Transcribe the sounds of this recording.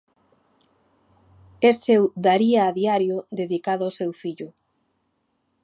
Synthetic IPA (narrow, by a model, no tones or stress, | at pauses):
esewd̪aɾiaːðiaɾjʊd̪eðikaðʊʊsewfiʎʊ